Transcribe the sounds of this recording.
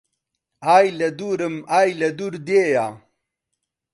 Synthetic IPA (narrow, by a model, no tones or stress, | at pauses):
aːjlɐd̪uɾəmaːjlɐd̪uɾd̪eːjaː